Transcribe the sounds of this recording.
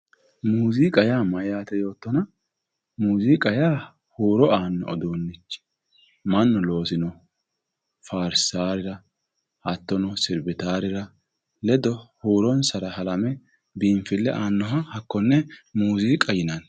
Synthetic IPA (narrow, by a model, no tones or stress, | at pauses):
muːziːkʼɐjaːmɐjaːt̪ɛjo̞ːt̪ːɔnɐ | muːziːkʼɐjaː | huːɾɔaːnːɔ̰ɔ̰d̪oːnːɪt͡ʃː | mɐnːɔlo̞ːsɪnɔ | faːɾsaːɾɪɾɐ | hɐt̪ːɔnɔsɪɾbɪt̪aːɾɪɾɐ | lɛd̪ɔhuːɾɔnsɐɾɐhɐlɐmɛ | biːɱfɪlːɛʔaːnːɔɦɐhɐkːɔnːɛmuːziːkʼɐjɪnɐn